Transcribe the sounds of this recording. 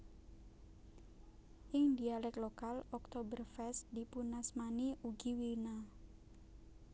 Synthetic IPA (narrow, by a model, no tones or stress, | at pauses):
ʔɪŋd̪ialɛklokalɔk̚t̪obərfɛsd̪ipunasmaniuɡiwina